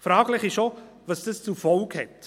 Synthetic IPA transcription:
fɾɑːɡlɪχɪʃo | vɑsd̥əst͡sufɔlkhɛt

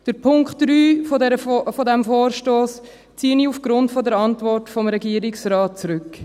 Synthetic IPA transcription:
d̥əɾpʰʊŋkχtɾyːdɛɾəfɔdɛmfoːrʃtoːs | t͡siːəniufɡ̥ɾʊntfɔdəɾɑntvɔrtfɔmɾɛɡiəɾɪksɾɑːt̚t͡sɾʏk

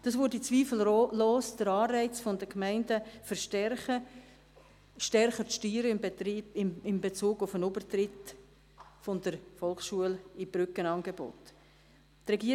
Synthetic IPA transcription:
d̥ɑsvʊːɾdit͡sviːfl̩loːsd̥əɾɑːrɛɪt͡sfɔndəkmæɪndəfəɾʃtɛrχə | ʃtɛɾχəʃtyːɾəɪɪmbet͡suːɡʊfənʊbərtrɪt | fɔndəɾfɔlksʃuəlib̥ɾʏkənɑnɡebo̰t | trɛɡiː

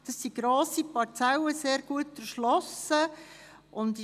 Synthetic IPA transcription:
d̥ɑsːiɡ̥ɾoːsipɑɾt͡sɛwəseːɾɡ̥uətəɾʃlɔsə | ʔʊnd

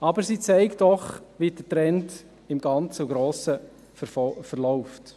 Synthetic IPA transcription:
ɑbəɾsiːt͡sɛɪktd̥ɔχʋid̥ətɾɛnt | ɪmɡɑnt͡suɡɾoːsə | fəɾlɔʊft

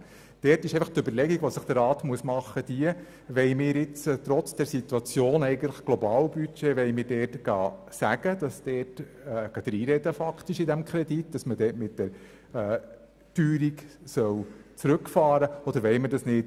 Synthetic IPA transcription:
d̥ɛtɪʃɛɪfɑχt̪ʏbəɾlɛɡiɡʋosəχd̥̪əɾɑːtmuəsmɑχːəd̥̪iə | ʋɛɪjmɪːɾɪt͡sːt̪ɾɔt͡sd̥ɛɾsit̪ːuɑt͡sjoːnɛɪɡən̩tləχɡ̥lɔbɑːlbyt͡ʃeʋɛɪmɪːɾdɛːtɡ̥ɑ̰ː | sæɡ̥əd̥ɑsd̥ɛːtː | ɡ̥ɑd̥̪ɾiːɾɛdəfɑkt̪ɪʃidæmkʰɾɛditd̥ɑsmədɛːtmɪtd̥ɛɾ | əː | tyːɾiksœwt͡sɾʉkfɑːɾəɔd̪əɾʋɛɪmədɑsnɪːt

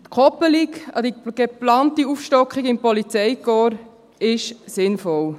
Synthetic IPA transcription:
t̪kʰɔpəlikɑ̰d̥̪iɡ̥eplɑːntiufʃtɔkχiɡɪmpɔlit͡sɛɪkɔːɾ | ɪʃsɪnfɔl

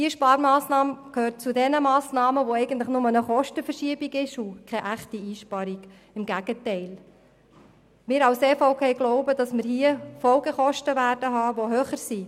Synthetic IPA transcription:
diəʃpɑːɾmɑːsnɑːməkʰøːɾt̚t͡sudɛnəmɑːsnɑːməʋoɛɪɡ̥ən̩t̪ləχnʊmənəχɔʃtəfəɾʃiəbiɡɪʃukʰɛʔæχtiiːʃpɑɾiɡ̥ | ɪmɡæɡ̥ətɛɪl | mɪɾɑʊseːfoʊpʰeːɡlɔʊbəd̥ɑsmɪɾhiːəfɔlɡəχɔʃtəʋæːɾd̥əɦɑːʋoɦøːχəɾsi

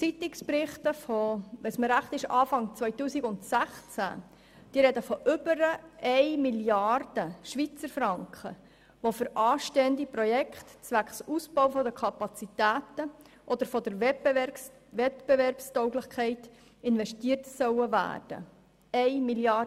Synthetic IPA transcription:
t͡sit̪ɪksprɪχtəfɔʋɛsməɾæχt̪ɪʃɑːfɑŋt͡sʋœʏtuːsiɡʊnt̪sæχt͡sæ̰ | d̥iəɾɛd̪əfɔʔʏbəɾəɛɪmiljɑrd̥əʃʋit͡səɾfɾɑŋkχə̰ | ʋofʏɾʔɑːʃteːənd̪ipɾɔjɛkχt̪t͡sʋækχsusbɔwfɔdəkʰɑpɑt͡sitæːt̪ə | ʔɔd̪əɾfɔd̪əɾ | ʋɛtb̥evɛrpstɔʊɡlɪχkʰɛɪt | ɪnʋɛʃtiːətsœwəvæ̰ːrd̥ə̰ | ɛjmiljɑ

